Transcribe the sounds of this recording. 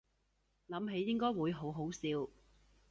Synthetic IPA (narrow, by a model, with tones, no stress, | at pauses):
lɐ˨˥mɦe˨˧jːɪ˥ŋkɔː˥jwuː˨˧jɦo˨˥wɦo˨˥wsiː˨˧w